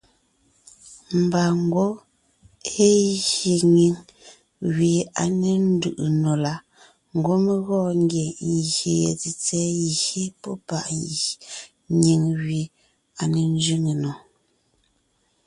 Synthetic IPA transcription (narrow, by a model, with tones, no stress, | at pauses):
m̩˨ba˨ŋ̩˦ɡwo˦ | e˦ɣe˨ɲi˨ŋ | ɣɥi˨a˨ne˨n̩˦du˨ʔu˨no˨la˨˦ | ŋ̩˨ɡwo˦me˦ɣɔː˦˨ŋ˦ɡje˨jɣe˨jḛ˨ti˨t͡sɛ˦ji˨ɣe˦pɔ˦pa̰˨ʔ | ɲi˨ŋɣɥi˨ | a˨ne˨n˦d͡ʒɥi˦ŋe˨nɔ˨